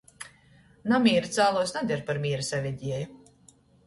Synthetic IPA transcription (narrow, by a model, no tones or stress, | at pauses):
namʲiːɾat̪saːlˠuːsnad̪ʲɛɾpaɾmʲiːɾasɛvʲiɟ̪ʲiɛju